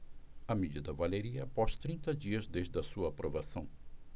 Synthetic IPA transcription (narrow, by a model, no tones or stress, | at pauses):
ɐmid͡ʒid̪ɐvaleɾiɐpɔʃt̪ɾĩnt̪ɐd͡ʒiɐzd̪eʒd̪ɐsuɐːpɾovasɐ̃w̃